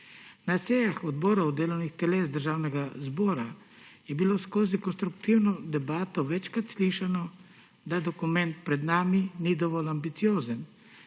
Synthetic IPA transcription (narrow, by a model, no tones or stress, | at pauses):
nasɛjaxɔd̪bɔːɾɔwd̪eːlɔwnixt̪ɛleːzd̪əɾʒaːwnɛɡazbɔːɾa | jɛbiloskoːzikɔnst̪ɾukt̪iwnɔd̪ɛbaːt̪ɔʋɛt͡ʃkɾat̪sliːʃanɔ | d̪ad̪ɔkumɛ̃nt̪̚pɾɛd̪naːminid̪ɔʋɔlambit̪sijoːzən